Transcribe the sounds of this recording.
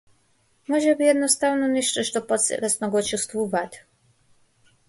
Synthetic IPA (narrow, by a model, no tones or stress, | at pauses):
mɔʒɛbijɛd̪nɔst̪avnɔniʃt̪ɛʃt̪ɔpɔt̪sɛ̰lɛsnɔɡɔt͡ʃɛst̪vuvat̪ʲ